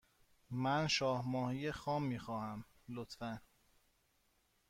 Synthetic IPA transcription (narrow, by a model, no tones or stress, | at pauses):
mænʃɒːhmɒːhijexɒːmːiːxɒːhæm | lot̪fæn